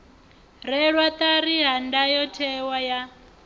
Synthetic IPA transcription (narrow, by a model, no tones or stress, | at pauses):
ɾɛɺwat̪aɾiɦandajɔtʰɛwaja